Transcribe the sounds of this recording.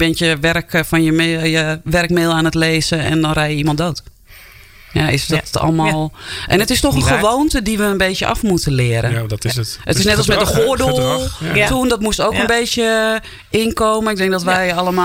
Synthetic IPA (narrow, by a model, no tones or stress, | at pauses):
bɪntjəʋɛrkfɔnjəjəʋɛrkmɪːlˠaːnətleːzəɛ̰ndɔnrɛjjəimɔntdoːt | jaɪsdɔtɔ̰lˠmalˠʔɛnətɪstoxənxəʋoːntədiʋəənbeːsjəʔa̰fmutəlɪəɾʔətətɪsnɛtɔlˠsmɛdəxodolˠtundɔtmustoːkənbeːsjə | ɪnkoːməɪk̚dɛŋkdɔtʋɛjalˠəma